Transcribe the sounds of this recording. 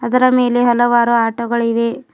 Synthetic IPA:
ɐd̪ɐɾɐme̞ːleɦɐlɐʋaːɾuaːʈɐɡɐɭid̪e̞

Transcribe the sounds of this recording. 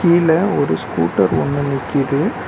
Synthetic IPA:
kiːlɐɔɾɯskṵːʈːɐɾɔnːɯnɪkːɪðɯ

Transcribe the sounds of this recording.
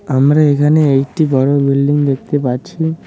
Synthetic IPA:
amɾaekʰaneekʈibɔɽobilɖiŋd̪ek̚t̪epaɾt͡ɕʰi

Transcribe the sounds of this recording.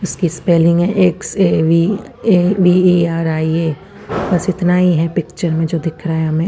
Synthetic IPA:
ʊskispɛːlɪ̃ŋɡɦɛ̃ʔekseːʋi | eʋieaːɾaːieː | bɐsɪt̪naɦiɦɛpɪkt͡ʃəɾmẽd͡ʒoːd̪ɪkʰɾaːɦjɦɐmẽ

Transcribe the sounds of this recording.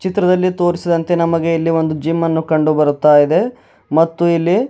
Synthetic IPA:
t͡ʃit̪ɾɐd̪ɐlːit̪o̞ːɾisid̪ɐnt̪e̞nɐmɐɡe̞ilːiʋo̞nd̪ud͡ʒimːɐnːukɐɳɖubɐɾut̪ːaːjid̪e̞ | mɐt̪ːuilːi

